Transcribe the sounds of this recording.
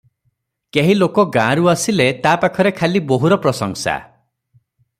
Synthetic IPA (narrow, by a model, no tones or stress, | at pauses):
keɦilokɔɡãɾuasilet̪apakʰɔɾekʰaliboɦuɾɔpɾɔsɔŋsa̰